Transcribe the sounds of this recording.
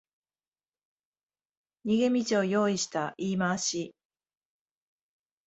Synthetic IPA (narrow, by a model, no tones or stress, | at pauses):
ɲiɡe̞mʲit͡ɕioːjo̞ːiɕi̥t̪aʔiːmaːɕi